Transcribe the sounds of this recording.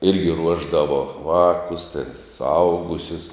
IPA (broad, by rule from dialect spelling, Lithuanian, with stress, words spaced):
ˈɪrʲɡʲɪ ˈruɔʒdɐʋoː ˈʋɑːkʊs tʲɛn sʊˈɐʊɡʊsʲʊs